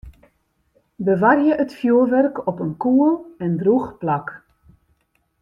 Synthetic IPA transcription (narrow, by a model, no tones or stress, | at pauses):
bəʋarjəʔətfjuəlʋɛrkʰɔpənkuəlˠɛndruxplak